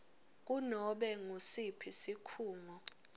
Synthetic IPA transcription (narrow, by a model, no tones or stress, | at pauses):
k̬unɔɓɛŋusipʰisikʰuːŋɔ